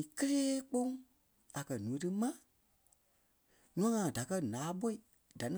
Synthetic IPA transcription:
i˨kə˦leː˦k͡põ˦ŋ | a˨kɜ˨nũ˨ẽ˨˧tɨ˦mã˦ | nũ˦ã˦ŋã˧˨da˨kɜ˦nãː˨˦ɓo˦i˨ | da˨nĩ˦

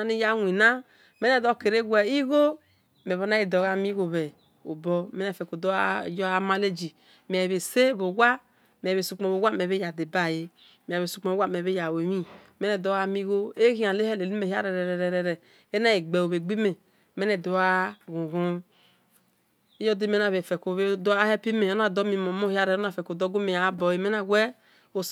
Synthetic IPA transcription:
a˦ni˦ja˦nʷ˨i˨na˦ | me˦nɛ˦˨dɔ˦˨ke˨ɾe˦ɡu˦ɛ˨i˦ɣo˦ | me˨βo˦na˦i˨dɔ˨ɣa˦mi˦ɣo˨βɛ˨ | o˨bɔ˦me˦nɛ˨fe˨ko˨do˦˨jɔ˦a˦ma˦le˦d͡ʒi˨ | me˨ɛ˨βe˨se˦˨βo˨ɡʷa˦ | m˨ɛ˨βe˨su˨k͡pɔ˨βo˨ɡʷa˦me˨βe˦ja˨de˨ba˦˨je˦ | mi˨a˨βe˨su˨k͡pɔ˨˦a˦˨m˨e˨βe˦ja˨we˨mi˦ | me˦ne˨do˦a˦mi˦ɣo˦e˦ɣĩ˦ã˨le˦hɛ˦˨le˨li˦me˨ha˦ɾɛ˨ɾɛ˨ɾɛ˨ɾɛ˨ɾɛ˨ɾɛ˨ | e˦na˦e˨ɡ͡be˨o˨βe˨ɡ͡bi˦me˨ | me˦ne˨do˨˦a˦ɡũ˨ɣu˦ | e˦jɔ˦de˦me˦na˨βe˨fɛ˨ko˨βe˦do˦a˦hɛ˦pi˦me˨ɔ˦na˨dɔ˦mi˨mo˨mo˦hja˦ɾɛ˨o˦na˦˨fɛ˨ko˨dɔ˦ɡo˦me˨ja˨˦bɔ˨je˨me˦na˦wʷɛ˦ | o˦˨

